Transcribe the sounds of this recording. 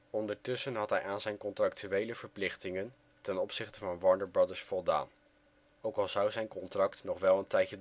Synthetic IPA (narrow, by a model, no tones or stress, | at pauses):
ɔndəɹtɵsənɦɑtɦɛjʔaːnzɛjnkɔntrɑktyʋejləvəɹplɪχtɪŋən | tɛnɔpsɪχtəvɑnʋɑɹndəɹbɹɑdəɹsfɔlˠda̰ːn | owkɑlˠzɑwzɛjnkɔntrɑktnɔχʋɛlˠəntɛjəd